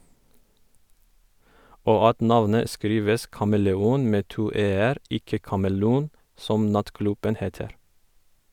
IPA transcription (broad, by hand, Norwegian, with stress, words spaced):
ˈoː ˈɑt ˈnɑʋnə ˈskɾiːʋəs kɑməlɛˈuːn ˈmeː ˈtuː ˈeːəɾ ˈɪkə kɑməˈluːn ˈsɔm ˈnɑtˌklʉbən ˈheːtəɾ